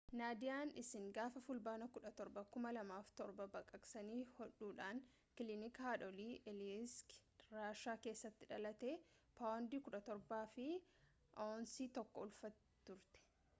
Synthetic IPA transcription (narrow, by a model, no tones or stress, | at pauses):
naːd̪ɪjaːnɪsɪŋɡaːfɐfʊlbaːnɐkʊᶑɐt̪ɔɾbɐkʊmɐlɐmaːft̪ɔɾbɐbɐkʼɐksɐniːhɔᶑuːᶑaːn | kɪlɪnɪkhaːᶑɔliːʔɛlskɾaːʃaːke̞ːsːɐt̪ːɪᶑɐlɐt̪e̞ːpaːwnd̪iːkʊᶑɐt̪ɔɾbaːfɪ | ʔoːnsiːt̪ɔkːɔʊlfɐt̪ | t̪ʊɾt̪ɛ̥